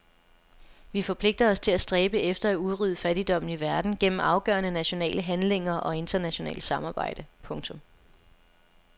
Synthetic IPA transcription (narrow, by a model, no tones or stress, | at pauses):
ʋifɒ̽pʰle̝ɡ̥̚d̥ɐɒ̽st͡sʰe̝læsd̥ʁɛːb̥əefd̥ɐæuðˠʁyðˠəfæɾ̥id̥ɒ̽m̰n̩iʋæɐd̥n̩ɡ̥en̰m̩ɑ̈ʊɡ̥ɶ̰ːɐnənæɕo̝nɛ̰ːləɦænle̝ŋ̰ɐʔɒ̽e̝nd̥ɐnæɕo̝nɛ̰ːl̥sɑ̈mɑ̈ːb̥ɑ̈ɪ̰d̥əpʰɔ̽ŋt͡sʰɔ̽m